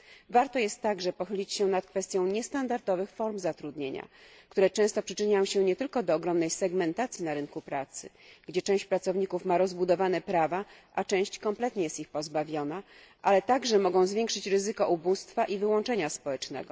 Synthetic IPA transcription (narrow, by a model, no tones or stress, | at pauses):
vaɾt̪ɔjɛst̪ːaɡʐɛpɔxɘlʲit͡ɕɕɛnat̪kfɛst̪ʲjɔ̃w̃ɲɛst̪and̪aɾd̪ɔvɘxfɔɾmzat̪ɾud̪ɲeɲa̰kt̪uɾɛt͡ʂɛ̃w̃st̪ɔpʂɘt͡ʂɘɲajɔ̃w̃ɕɛɲɛt̪ɘlkɔd̪ɔːɡɾɔmnɛjsɛɡmɛnt̪at̪sʲjinaɾɘnkupɾat̪sɘ̰ | ɡd͡ʑɛt͡ʂɛ̃w̃ɕt͡ɕpɾat̪sɔvɲikufmaɾɔzbud̪ɔvanɛpɾavaʔat͡ʂɛ̃w̃ɕt͡ɕkɔmplɛt̪ɲɛjɛst̪ixpɔzbavʲjɔna | ʔalɛt̪aɡʐɛmɔɡɔ̃w̃zvʲjɛŋkʂɘt͡ɕɾɘzɘkɔʔubust̪faʔivɘwɔ̃nt͡ʂɛɲaspɔwɛt͡ʂnɛ̰ɡɔ̰